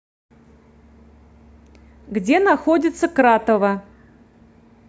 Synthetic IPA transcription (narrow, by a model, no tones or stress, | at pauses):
ɡd͡zʲenɐxodʲɪt̪səkɾat̪əvə